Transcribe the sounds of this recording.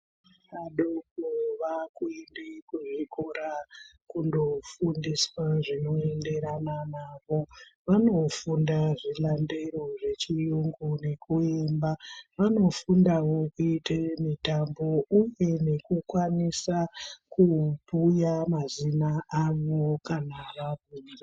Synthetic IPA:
aɗokoʋakuendikuʐikoɾa | kundo̞fundiswaʐino̞e̞nde̞ɾananaːʋo̞ʋano̞fundaʐilande̞ɾo̞ʐe̞t͡ʃijuŋɡune̞kuembaʋano̞fundawo̞kuitemitambo̞uje̞ne̞kukwanisakupujamazinaʔaʋokanaʋaɡʱuːri

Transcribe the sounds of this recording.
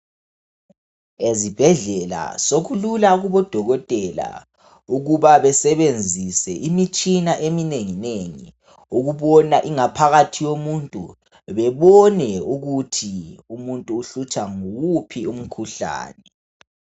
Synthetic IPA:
ezib̥ʱɛɮɛla̰soɣululaɣuβɔd̥ʱɔɣɔtʼɛla̰ | uɣuβaβɛsɛβend͡zʱisɛ̰ʔimit͡ʃʼinaʔemineŋineŋḭ | uɣuβɔnaʔiŋapʰaɣatʰijomuntʼṵ | βɛβɔnɛuɣutʰiumuntʼuːɬut͡ʃʼaŋuɣupʰium̩kʰuɬa̰ːnɛ

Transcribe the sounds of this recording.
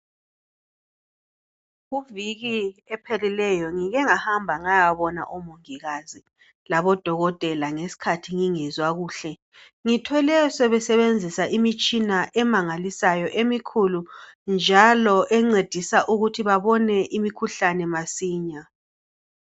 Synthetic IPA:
ɣuviɣiɛpʰelilɛjɔŋiɣɛŋahambʱaŋajaβɔna̰ʔɔmoŋiɣazi | laβɔd̥ʱɔɣɔtʼɛlaŋesi̥kʰatʰiŋiŋɛzwaɣuːɬɛ | ŋitʰɔlɛsɛβɛsɛβend͡zʱisaʔimit͡ʃʼinaʔɛmaŋalisajɔʔemikʰulund͡ʒʱalɔʔɛŋ͡ǀed̥ʱisaʔuɣutʰiβaβɔnɛʔimikʰuɬanɛmasiːɲa

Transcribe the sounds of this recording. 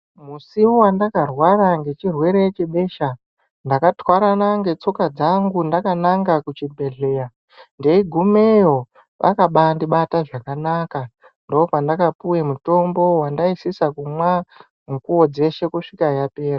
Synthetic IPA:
musiwowandakarwaɾaŋɡe̞t͡ʃirwe̞ɾeet͡ʃeɓe̞ʃa | ndakatwaɾanaŋɡe̞t͡so̞kad͡zaŋɡundakanaŋɡakut͡ʃibʱe̞ɮe̞ːja | nde̞iɡʱumejo̞ | ʋa̰kaɓandiɓataʐakanaka | ndo̞opandakapuwemuto̞mbo̞wandaisisakumwa | ŋkuwod͡ze̞ʃe̞kuʂikajape̞ːra

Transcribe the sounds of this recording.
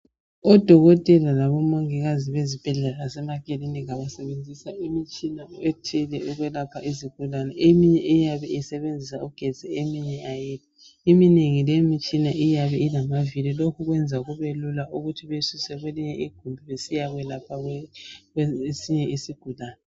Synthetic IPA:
ɔd̥ʱɔɣɔtʼɛlalaβɔmoŋiɣaziβezib̥ʱɛɮɛlasɛmakʼeliniɣaβasɛβend͡zʱisaimit͡ʃʼinaetʰilɛuɣwɛlapʰaʔiziɡ̥ʱulanɛemiɲɛʔijaβɛisɛβend͡zʱisauɡ̥ʱɛ̥d͡z̥ʱɛemiɲɛʔajiːtʰi̥ | imineŋilemit͡ʃʼinaʔijaβɛinamavililokʰuɣwɛnd͡zʱaɣuβelulaʔuɣutʰiβesusɛɣweliɲɛʔiɡ̥ʱumbʱiβesijaɣɛlapʰa | esiɲɛisiɡ̥ʱulaːnɛ

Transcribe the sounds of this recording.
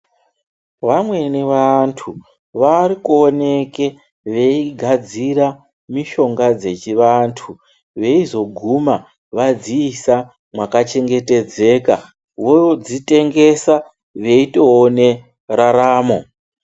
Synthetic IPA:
ʋamwe̞niʋantʰu | ʋarikuone̞ke | ʋeiɡʱad͡ziɾa | miʃo̞ŋɡad͡ze̞t͡ʃiʋantʰu | ʋe̞izo̞ɡʱuma | ʋad͡ziːsa | mwakat͡ʃe̞ŋɡe̞te̞d͡ze̞ka̰ | wod͡zite̞ŋɡe̞sa | ʋe̞ito̞ːne̞ | raɾaːmo̞̰

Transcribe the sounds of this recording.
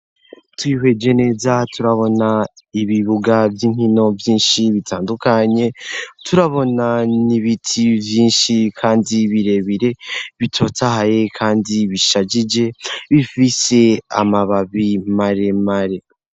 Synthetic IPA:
twiɦe̞d͡ʒe̞ne̞ːzatuɾaβo̞naiβiβuɡavjiːŋ̥hino̞vjiːnʃiβitʰaːndukaɲe̞tʰuɾaβo̞naniβitʰivjiːnʃikʰaːndiβiɾe̞βiɾe̞βitʰo̞tahaje̞kʰaːndiβiʃaɟid͡ʒe̞βifise̞a̰maβaβimaɾe̞maɾe̞

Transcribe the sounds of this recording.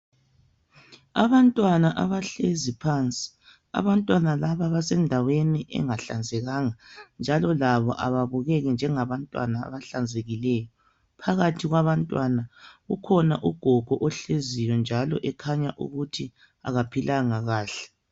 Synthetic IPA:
a̰βantʼwanaʔaβaɬezipʰant͡sʼi̥ | a̰βantʼwanalaβaβasɛndʱaweniʔɛ̰ŋaɬa̰nd͡zʱɛɣaːŋand͡ʒʱalɔlaβɔ̰ʔa̰βaβuɣɛɣɛnd͡ʒʱɛŋaβantʼwa̰na̰ːβaɬand͡zʱeɣilɛːjɔ | pʰaɣatʰiɣwaβantʼwanaɣukʰɔnaʔuɡ̥ʱɔɡ̥ʱɔʔɔɬezijɔnd͡ʒʱalɔ̰ʔɛkʰaɲaʔṵɣutʰi | a̰ɣapʰilʔaŋaɣaːɬɛ̥

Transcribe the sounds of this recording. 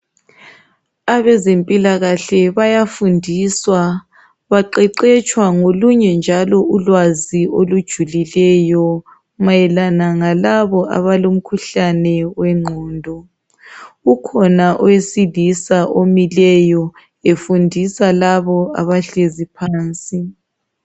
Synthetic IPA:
aβɛzempʼilaɣaɬɛβajafundʱiswa | βaǃɛǃɛt͡ʃʼwaŋoluɲɛnd͡ʒʱalɔʔulwaziolud̥ʒ̥ʱulilɛjɔ | majɛlanaŋalaβɔʔa̰βalom̩kʰuɬanɛwɛŋ͡ǃʱɔːndʱɔ | ukʰɔnaʔɔwesilisaʔomilɛjɔ | efundʱisalaβɔa̰βaɬezipʰaːnt͡sʼi

